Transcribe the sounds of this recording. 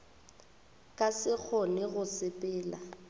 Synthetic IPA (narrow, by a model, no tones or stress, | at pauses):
kʼasɪk͡xʰɔnɪɣʊsɪpʼɪːla